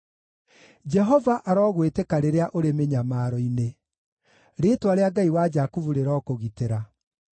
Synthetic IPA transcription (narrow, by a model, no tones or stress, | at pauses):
d͡ʒɛɦɔvaʔaɾɔːɣwetɛkaɾeɾeaʔoɾemeɲamaɾɔine | ɾeːtwaɾeaɡaiwad͡ʒakuvuɾeɾɔːkoɣiteɾa